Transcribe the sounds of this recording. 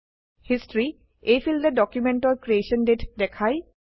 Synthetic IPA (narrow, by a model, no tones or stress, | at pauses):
histɹi | ejfʰildɛdɔkjumɛntɔɹkɹieʃɔndetdɛkʰaj